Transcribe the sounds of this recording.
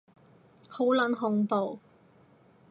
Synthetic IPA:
ho˨˥wlɐ˨˥nɦʊ˨ŋpo˨w

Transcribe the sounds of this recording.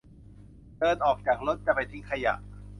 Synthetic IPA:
dɤː˧nʔɔː˨˩k̚t͡ɕaː˨˩k̚lo˦˥t̪̚t͡ɕa˨˩pa˧jt̪ʰi˦˥ŋkʰa˧ja̰˨˩ʔ

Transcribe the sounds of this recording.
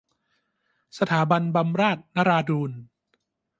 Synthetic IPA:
sa˧t̪ʰaː˩˦ba˧nba˧mɾaː˥˩t̪̚na˦˥ɾaː˧duː˧n

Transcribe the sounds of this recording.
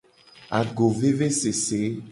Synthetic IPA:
a˨ɡo˨ve˦ve˦se˨se˨˦

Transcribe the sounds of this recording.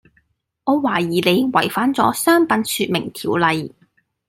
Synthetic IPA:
ŋɔː˨˧waː˨˩jiː˨˩le˨˧jwɐ˨˩jfaː˨˥nt͡sɔ̰ː˨˥sœː˥ŋpɐ˨˧˥nsyː˧t̚mɪ˨˩ŋt̪ʰiː˨˩wlɐ˨˧j

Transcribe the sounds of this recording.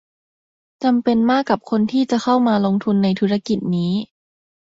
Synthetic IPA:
t͡ɕa˧mpe˧nmaː˥˩kːa˨˩p̚kʰo˧nt̪ʰiː˥˩t͡ɕa˨˩kʰa˥˩wmaː˧lo˧ŋt̪ʰu˧nːa˧jt̪ʰu˦˥ɾa˧˩ki˨˩t̪̚niː˦˥

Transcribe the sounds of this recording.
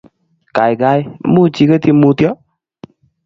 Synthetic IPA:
ka˨jɡa˧ja˨˦mu˦˧t͡ʃi˧kɛ˧˦t̪i˧mu˧t̪jɔ˦

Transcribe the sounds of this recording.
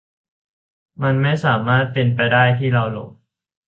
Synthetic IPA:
ma˧nma˥˩jsaː˩˦maː˥˩t̪̚pe˧npa˧jdaː˥˩jt̪ʰiː˥˩ɾa˧wlo̰˨˩˦k̚

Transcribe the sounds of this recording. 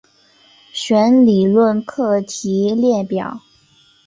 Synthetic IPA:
ɕɥɛ˧˥nli˨˩lwə˥˧nkʰɤ˥˩t͡ɕʰi˧˥ljɛ˥˩pjɑ˨˩˦ʊ

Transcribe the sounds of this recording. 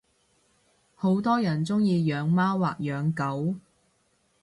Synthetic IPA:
ho˨˥wt̪ɔː˥jɐ˨˩nt͡sʊ˥ŋjiː˧jœː˨˧ŋmaː˥wwaː˨k̚jœː˨˧˥ŋkɐ˨˥w

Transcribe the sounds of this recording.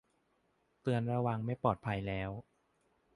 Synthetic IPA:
t̪ɯ˧ənɾa˧wa˧ŋma˥˩jpɔː˨˩t̪̚pʰa˧jlɛː˦˥w

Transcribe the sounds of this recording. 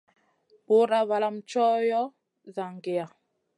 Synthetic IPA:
bo˨˦ɾa˦va˨la˦mt͡ʃɔ˦jɔ˦ | za˨ŋɡe˨ja˨

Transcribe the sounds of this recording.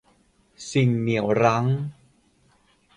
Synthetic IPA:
si˨˩ŋni˨˩˦ə˦wɾa˦˥ŋ

